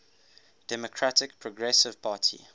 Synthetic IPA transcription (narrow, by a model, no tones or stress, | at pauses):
d̥ɛmɔkʰɹatɪkpʰɹɔɡɹɛsɪv̥pʰaːtʰḭ